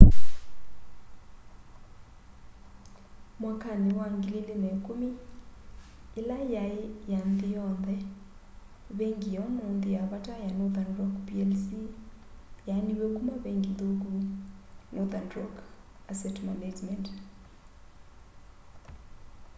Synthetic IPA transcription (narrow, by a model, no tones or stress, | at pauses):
mwakʰaniwaŋɡililinɛkumi | lajaijand̪ijɔnd̪ɛ | βeŋɡijɔnɔnd̪ijaβatʼajanɔðanrɔkpiɛlsi | janiβekumaβeŋɡiðoku | nɔðandrɔk | asɛtmanad͡ʒmɛnt